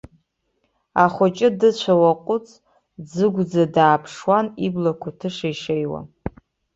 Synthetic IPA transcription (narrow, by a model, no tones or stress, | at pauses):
aχʷʊt͡ʃʼɪdɨt͡ɕʷʰawaqʷʼʊt͡sʼ | d͡zɨɡʷd͡zadaːpʰʂwaniblakʷʰatʰɨʂajʂejwa̰